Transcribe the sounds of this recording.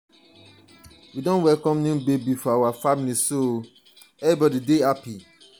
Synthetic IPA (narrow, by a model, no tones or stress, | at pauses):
widɔ̃nwɛlkɔ̃mnũbebifɔawafamiliso | ɛnibɔdideapi